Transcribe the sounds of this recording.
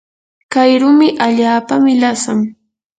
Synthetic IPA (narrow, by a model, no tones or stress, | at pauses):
kajɾʊmɪʔaʎaːpamɪlasaŋ